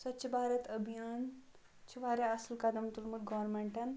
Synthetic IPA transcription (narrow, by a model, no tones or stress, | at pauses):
sɐtːt͡ʃʰibaːɾʲɐt̪ɐbʱijaːn | t͡ʃʰiʋaːɾʲjaɐslkɐd̪ɐmt̪ulmud̪ɡɔʋɾmeɳʈɐn